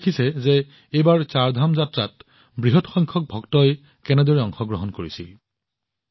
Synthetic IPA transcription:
kʰisɛze | ejbaɹt͡ʃaɹdʱamzatɹat | bɹiɦɔtxɔjŋkʰɔk̚bʱɔktɔj | kɛnɛdɔɹɛɔŋxɔɡɹɔɦɔnkoɹisil

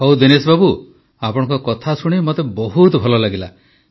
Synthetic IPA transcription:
ɦowd̪enesbabu | apɔɽ̃ɔ̃ŋkɔkɔt̪ʰasuɽ̃imɔt̪ebɔɦut̪ɔbʱɔlɔlaɡila

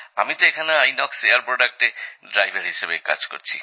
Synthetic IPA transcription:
amit̪oekʰaneajnɔksejaɾpɾɔɖak̚ʈeɖɾajbʱaɾɦiʃebeka̰d͡ʑko̰ɾt͡ɕʰi̥̰

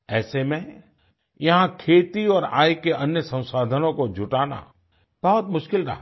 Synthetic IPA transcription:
ɛːsemẽ | jɐɦãkʰeːt̪iɔːɾa̰ːjkeʔɐnjəsɐ̃w̃saːd̪ʱənõkod͡ʒʱʊʈaːna̰ | b̥ɐɦʊt̪mʊʃkɪlɾɐ̰ɦa

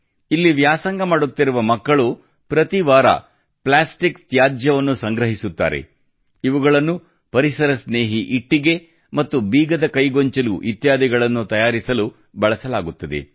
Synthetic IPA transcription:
ilːiʋjaːsɐŋɡɐmaːɽut̪ːiɾuʋɐmɐkːɐɭu | pɾɐt̪iʋaːɾɐ̰ | plaːsʈikt̪jaːd͡ʒjɐʋɐnːusɐŋɡɾɐɦisut̪ːa̰ːɾḛ | iʋuɡɐɭɐnːu | pɐɾisɐɾɐsneːɦiʔiʈːiɡe̞ | mɐt̪ːubiːɡɐd̪ɐkɐjɡoɲt͡ʃɐluʔit̪jaːd̪iɡɐɭɐnːut̪ɐjaːɾisɐlu | bɐɭɐsɐlaːɡut̪ːɐd̪e̞̰

